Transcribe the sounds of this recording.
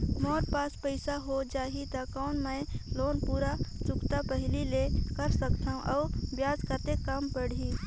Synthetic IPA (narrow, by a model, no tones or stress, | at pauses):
mɔːɾpaːspəɪsaɦod͡ʒaːɦit̪akɔʊnmə̃jloːnpuːɾat͡ʃʊkt̪apəɦɪlilekəɾsəkt̪ʰaɦũʔaʊbjaːd͡ʒkəɾt̪ekːampəɽi